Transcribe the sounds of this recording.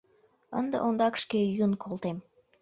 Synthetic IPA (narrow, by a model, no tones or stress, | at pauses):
ə̰nd̪ə̰ʔond̪ɑkʃkejunkʰolt̪em